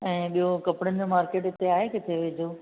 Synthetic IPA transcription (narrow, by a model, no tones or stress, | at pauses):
ɛ̃ːɓijokɐpɪɽənɪ̆d͡ʑoːmaːɾkeːʈɪt̪eaːɦekɪt̪ʰeʋed͡ʑʱoː